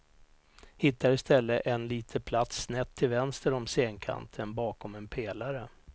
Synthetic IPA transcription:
hɪt̪ːaɾɪst̪ɛlːəʔɛnliːt̪ʰəpʰlat̪snɛt̪ʰːɪlvɛnst̪əɾɔmseːnkʰa̰nt̪ʰənbɑːkɔmɛnpʰeːlaɾə

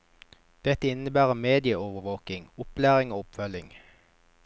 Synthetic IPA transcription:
d̪̥ɛt̪əɪnəbæːʁəmeːd̪ɪəoːʋəʋoːkɪŋʊplæːʁɪŋoːʊpfœlɪŋ

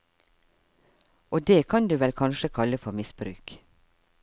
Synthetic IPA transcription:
oːd̪eːkʰɑnd̪ʉːʋɛlkʰɑnʃəkʰɑləfɔmɪsbɾʉ̰ːk

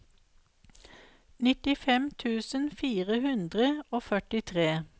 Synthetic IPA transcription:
nɪt̪ɪfɛmt̪ʰʉːsənfiːʁəhʉnd̪ʁəoːfœʈɪt̪ʰʁeː

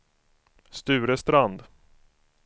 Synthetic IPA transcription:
st̪ʉ̟ːɾəst̪ɾand̪

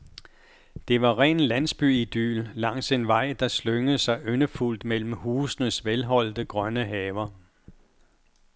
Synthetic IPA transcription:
d̥e̝ʋɑ̈ʁɛ̰ːnlæn̰sb̥yid̥y̰ːlːɑ̈ŋ̰se̝nʋɑ̈ɪ̰d̥ɑ̈sløŋəsɑ̈ɪʔønəful̰d̥mel̰m̩huːsnəsʋelɦɒ̽l̰d̥əɡ̥ʁɶnəɦɛːʊɐ

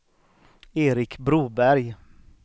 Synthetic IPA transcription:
eːɾɪkbɾuːbæɾj

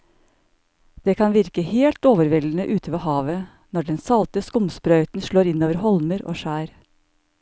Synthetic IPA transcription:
d̪̥eːkʰɑnʋɪɾkəheːlt̪oːʋəɾʋɛlən̩əʔʉːt̪ʰəʋeːɦɑːʋə | nɔɖɛnsɑlt̪əskʊmspɾœʏt̪n̩ʃɭoːɾɪnoːʋəɾhɔlməɾʔo̰ːʃæːɾ

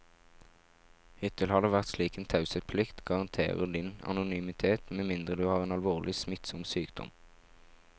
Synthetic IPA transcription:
hʏt̪əlhɑd̪əʋæʁt̪sliːkeːnt̪ʰɑʉsət̪̚pʰlɪkt̪ɡɑʁɑnt̪ʰḛːʁəd̪ɪnɑ̰nʊnyːmɪt̪ʰeːt̪meːmɪnd̪ʁəd̪ʉːhɑːʁeːnɑlʋoːʁlɪsmɪt̪sɔmsyːkd̪̥ɔ̰m

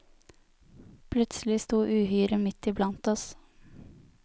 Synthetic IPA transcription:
pʰlʉt̪sl̩ɪst̪uːʔʉːhyːɾəmɪt̪ɪblɑnt̪ɔs

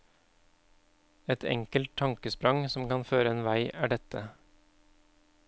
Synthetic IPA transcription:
ɛt̪ʰɛ̰ŋkəlt̪ʰɑŋkəspɾɑŋsɔmkɑnføːɾəeːnʋæɪʔæːɖɛt̪ə

